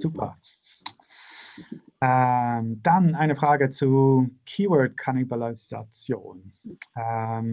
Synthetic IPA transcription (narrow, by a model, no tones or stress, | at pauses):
z̥uːpʰɐ̰ | ɛmd̥anaɪnəfʁ̥aːɡət͡sukʰiːwɔdkʰanibaliza̰t͡sjo̰ːnɛm